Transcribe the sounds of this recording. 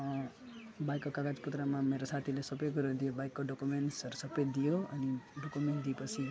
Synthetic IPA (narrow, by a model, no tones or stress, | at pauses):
bajkːokaɡad͡zput̪ɾamãmeɾosat̪ʰilesʌbejɡəɾod̪ijobajkːoɖokumeɳʈsəɾsəbəjd̪ijoə̰niɖokumeɳʈ̚d̪ipət͡sʰi